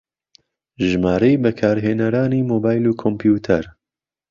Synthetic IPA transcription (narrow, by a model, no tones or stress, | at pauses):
ʒɨmaːɾejbɛkʰaːɾɦeːnɐɾaːniːmoːbaːjluːkʰompʰjuːt̪ʰɛɾ